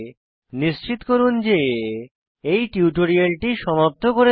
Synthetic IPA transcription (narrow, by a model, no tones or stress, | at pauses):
niʃt͡ɕit̪koɾund͡ʑe | ejʈiuʈoɾialʈiʃɔmop̚t̪ʰokoɾe